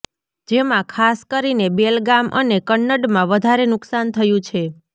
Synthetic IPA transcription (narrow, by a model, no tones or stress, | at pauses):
d͡ʒemãkʰaskəɾinebelɡamʔənekəɳːəɖmãʋəd̪ʱaɾenʊksant̪ʰəjũt͡ʃʰe